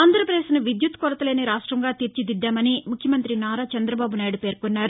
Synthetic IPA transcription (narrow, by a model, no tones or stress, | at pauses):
aːnd̪ɐɾɐpɾɐd̪eːsnuʋid̪jut̪kɔɾɐt̪ɐle̞ːniɾaːʂʈɾɐŋɡaːt̪iɾt͡ʃid̪id̪ːaːmɐnimukʰjɐmɐnt̪ɾinaːɾat͡ʃɐnd̪ɾɐbaːbunaːjɽupe̞ːɾkonːaːɾu